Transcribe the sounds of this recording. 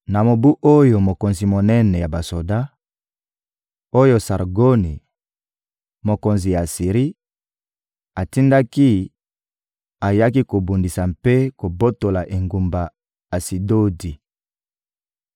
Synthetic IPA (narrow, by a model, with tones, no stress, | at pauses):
na˨mo˨bu˦ʔo˦jo˨mo˨ko˨nzi˨mo˨nɛ˦nɛ˨ja˨ba˨so˨da˦ | o˦jo˦sa˨ʁɡo˦ni˨ | mo˨ko˨nzi˨ja˨si˨ʁi˦ | a˨ti˦nda˦ki˦ | a˨ja˦ki˦ko˨bu˨ndi˨sa˨mpe˦ko˨bo˦to˨la˨ʔe˨ŋɡu˨mba˨ | a˨si˨do˦di˨